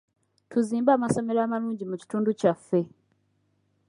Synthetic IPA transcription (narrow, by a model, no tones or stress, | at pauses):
tʰuziːmbaːmaso̞me̞ɾaːmaluːɲɟimuci̥tuːnducafːe̞